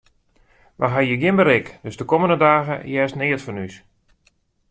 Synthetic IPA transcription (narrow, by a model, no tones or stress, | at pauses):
ʋʔa̰ɦajəɡjɪnbəɾɪkd̥øzdəkoməndədaːɣə̰jɛːstnɪətfɔnys